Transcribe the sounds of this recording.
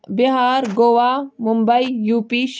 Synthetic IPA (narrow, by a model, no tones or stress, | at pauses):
biɦaːɾɡoːʋaːmumbɐijuːpiʃ